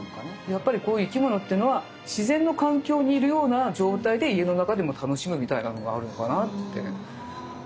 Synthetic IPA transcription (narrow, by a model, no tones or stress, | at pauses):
nokanajapːaɾʲiko̞ːjɯ̟ːikʲimo̞no̞t̪ːeiɯ̟no̞βa | ɕizẽ̞nːo̞kãŋkʲo̞ːɲ̟iːɾɯ̟jo̞ːnad͡ʑo̞ːt̪aid̪e̞ie̞no̞nakad̪e̞mo̞t̪ʰano̞ɕimɯ̟mʲit̪ainano̞ɡa̰ːɾɯ̟no̞kanat̪ːe̞̰